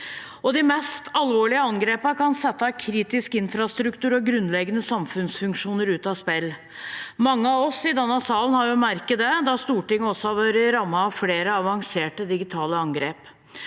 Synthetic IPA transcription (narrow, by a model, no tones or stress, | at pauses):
ɔd̪ɪmɛst̪ʰɑlʋoːɭɪəɑŋɡɾeːpəkɑnsɛt̪ːɑkʰɾiːt̪ɪskɪnfɾɑst̪ɾʉkt̪ʉːɾɔɡɾʉnːlɛɡənəsɑmfʉnsfʉŋkʂuːnəɾʉːt̪ɑspɛlː | mɑŋːəɑʋɔsɪd̪ɑnːɑsɑːlənhɑɾjʊmæɾkəd̪əd̪ɑst̪uːʈɪŋːəɔsːɔhɑʋøːɾəɾɑmːɑːʋfleːɾəɑʋɑŋseːʈəd̪ɪɡɪt̪ʰɑːləɑŋɡɾeːp